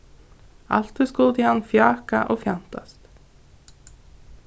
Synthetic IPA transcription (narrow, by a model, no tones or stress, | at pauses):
a̰l̥t̪ʏskʊlt̪ɪhanːfjaːkaʔɔɣfjan̥t̪ast̪